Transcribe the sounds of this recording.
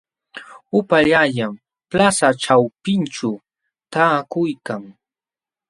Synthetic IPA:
ʊpaʎaʎam | plasaʈ͡ʂawpɪnʈ͡ʂa | t̪aːkʊjkaŋ

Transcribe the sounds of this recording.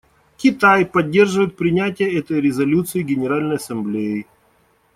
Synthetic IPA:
kʲɪt̪ajpɐdʲːe̞rʐɨvəjɪt̪̚pɾʲɪnʲætʲɪjəɛt̪əjɾʲɪzɐlʲut̪sɨɪɡʲɪnʲɪɾalʲnəjɐsɐmblʲejɪ

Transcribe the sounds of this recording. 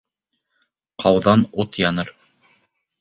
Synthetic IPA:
qʰɑwðɑnut̪jɑnɤɾ

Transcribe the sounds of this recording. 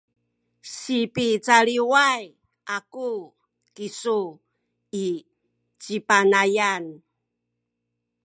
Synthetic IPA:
ɕipit͡saɾiwaj | aku | kisu | i | t͡ɕipanajan

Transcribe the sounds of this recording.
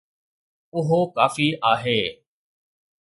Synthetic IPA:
ʊɦoːkaːfiːʔaːɦeː

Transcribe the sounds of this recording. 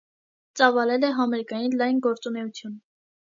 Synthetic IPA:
t͡sɑvɑlɛlɛɦɑmɛɾikɑjinlɑjnɡɔɾt͡sunɛut͡sʰjun

